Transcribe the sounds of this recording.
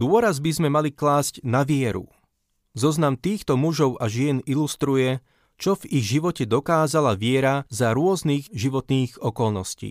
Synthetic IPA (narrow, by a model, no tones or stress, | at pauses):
d̪ʊɔɾazbizmɛmaliklaːscnaʋɪɛɾṵ | zɔznamt̪iːxt̪ɔmuʒɔʊʔaʒɪɛnilust̪ɾujɛ | t͡ʃɔviɣʒiʋɔcɛd̪ɔkaːzalaʋɪɛɾazaɾʊɔzniːɣʒiʋɔt̪niːɣɔkɔlˠnɔscḭː